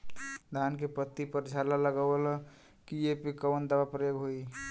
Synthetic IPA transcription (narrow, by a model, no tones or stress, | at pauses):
d̪ʱankepət̪ːipəɾd͡ʒʱalaləɡəələ | kiepikəʋənd̪aʋapɾəjoɡɦoi